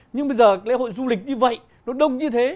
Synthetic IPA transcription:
ɲɨ˧ŋɓə˧jzəː˨˩˨lḛ˧˥˦ɦo̰˧˨jzu˧li˨˩k̚ɲɨ˧və̰˧˨j | nɔ˨˦ɗə˧wŋ͡m̚ɲɨ˧t̪ʰe˨˦

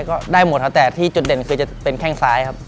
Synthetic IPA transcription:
jkɔː˥˩daː˥˩jmo˨˩t̪̚ʰa˥˩t̪ɛː˨˩t̪ʰiː˥˩t͡ɕu˨˩de˨˩nkʰɯː˧t͡ɕa˨˩pe˧nkʰɛː˥˩ŋsaː˦˥jkʰa˦˥p̚

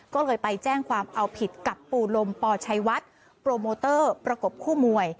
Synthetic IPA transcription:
kɔː˥˩lɤː˧jpa˧jt͡ɕɛː˥˩ŋkʰwaː˧mʔa˧wpʰi˨˩t̪̚ka˨˩pːuː˨˩lo˧mpɔː˧t͡ɕʰa˧jwa˦˥t̪̚ | pɾoː˧moː˧t̪ɤː˥˩pɾa˧ko˨˩p̚kʰuː˥˩mu˧˩əj

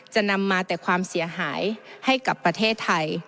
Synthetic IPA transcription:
t͡ɕa˧˩na˧mːaː˧t̪ɛː˨˩kʰwaː˧msi˨˩˦ɐɦaː˩˦jha˥˩jka˨˧˩pːɾa˧t̪ʰeː˥˩t̪ʰːa˧j

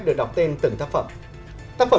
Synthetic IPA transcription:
ɨ˨˩ɗa˨˩wk͡p̚t̪i˧ənt̪ɨ˨˧˩ŋt̪a˦˥k̚fə̰˨˩m | t̪aː˦˥fə˨˩

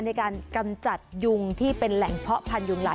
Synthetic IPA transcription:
na˧jkaː˧nka˧mt͡ɕa˨˩t̪̚ju˧ŋt̪ʰiː˥˩pe˧nlɛ˨˩˦ŋpʰɔ˦˥ʔpʰa˧nju˧ŋlaː˧˦

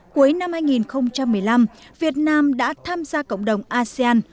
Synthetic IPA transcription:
ku˨˦jna˧mhaː˧jŋi˨˩nxə˧wŋ͡mt͡ɕa˧mːɨ˨˩əjla˧mvi˨˩ət̚naː˧mɗa̰ː˧˥t̪ʰaː˧mzaː˧kə̰˧˨wŋ͡mɗə˨˩wŋ͡mʔaː˧si˧aː˧n

